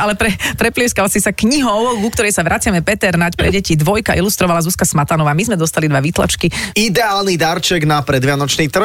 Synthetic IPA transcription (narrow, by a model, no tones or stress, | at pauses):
alɛpɾɛpɾɛplɪɛʊskalsisakɲiɦɔɔʋɔɡɡukt̪ɔɾɛjsaʋɾʔat͡sɪamɛpɛt̪ɛɾnacpɾɛ̰ɟɛcid̪ʋɔjkaʔilust̪ɾɔʋalazuskasmat̪anɔʋaːmizmɛd̪ɔst̪alid̪ʋaʋit̪la̰t͡ʃkiid̪ɛaːlnid̪aɾt͡ʃɛɡnapɾɛd̪ʋɪanɔt͡ʃniːt̪r̩